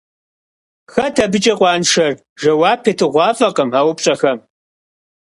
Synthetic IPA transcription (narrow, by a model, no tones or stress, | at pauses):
xɐtʰɐbɨt͡ʃʼɐqʷɑːnʂɐr | ʒɐwɑːpʰeːtʰɨʁʷɑːfʼɐqɐmaːwpʼɕʼɐxɐm